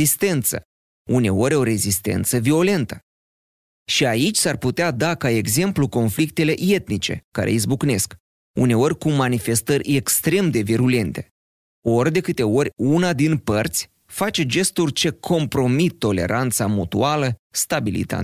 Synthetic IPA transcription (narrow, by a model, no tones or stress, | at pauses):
ist̪e̞nt̪sə̰ | une̞o̞ɾʲo̞ɾe̞zist̪e̞̰nt̪səvio̞le̞nt̪ə | ʃiait͡ʃʲsarput̪ead̪akae̞ɡze̞mpluko̞nflik̚t̪e̞le̞ʔje̞t̪nit͡ʃe̞̰kːa̰ɾʔḛizbukne̞sk | ṵne̞o̞rʲkumanife̞st̪ərʲe̞kst̪ɾe̞md̪e̞viɾule̞nt̪e̞̥̰ | o̞rʲd̪e̞kɨt̪e̞o̞rʲunad̪inpərt̪sʲ | fat͡ʃe̞d͡ʒe̞st̪urʲt͡ʃe̞kʰo̞mpɾo̞mit̪ːo̞le̞̰ɾʔant̪samut̪ualəst̪abilḭt̪a̰